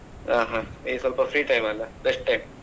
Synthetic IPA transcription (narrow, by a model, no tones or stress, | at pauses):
ãɦãesəlpəfɾiːʈajmalabesʈʈajm